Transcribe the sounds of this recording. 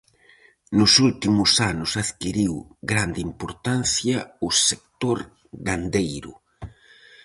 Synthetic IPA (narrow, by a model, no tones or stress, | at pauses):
nʊsult̪imʊsanʊsaðkiɾiwɡɾand̪impoɾt̪anθjɐʊsekt̪oɾ | ɡand̪ejɾʊ̰